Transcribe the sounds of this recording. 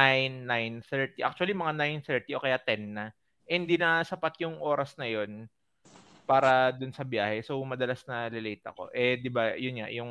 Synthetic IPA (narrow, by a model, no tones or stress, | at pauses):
ajnːajnθɛɹt̪iʔa̰k̚t͡ʃʊɐlimɐŋanajnθɛɹt̪iʔo̞kɐjat̪ɛnːɐ | ʔɛhɪnd̪inɐsɐpat̪̚jʊŋʔo̞ːɾɐsnɐjo̞n | paːɾɐd̪ʊnsɐbjaːhɛsowmɐd̪ɐlasnɐlɪlɛːt̪ɐ̰ko̞̰ʔɛd̪ɪbajʊnɲa̰jʊŋ